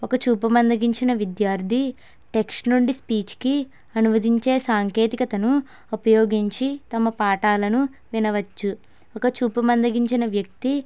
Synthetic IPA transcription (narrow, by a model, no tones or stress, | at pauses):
ɔkɐt͡ʃuːpɐmɐnd̪ɐɡiɲt͡ʃinɐʋid̪jaːɾd̪ʱi | ʈe̞kʂʈnuɳɖispiːt͡ʃki | ɐnuʋɐd̪ʱiɲt͡ʃe̞ːsaːŋke̞ːt̪ikɐt̪ɐnu | upɐjoːɡiɲt͡ʃit̪ɐmɐpaːʈaːlɐnu | ʋinɐʋɐt͡ʃːu | ɔkɐt͡ʃuːpɐmɐnd̪ɐɡiɲt͡ʃinɐʋjɐk̚t̪i